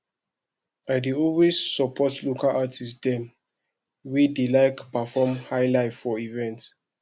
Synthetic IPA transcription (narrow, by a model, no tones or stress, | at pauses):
ajdiɔlwesːɔpʰɔtlukalʔatʰisdɛ̃m | widilaɪkpafɔmhajlaɪfɔivɛ̃nt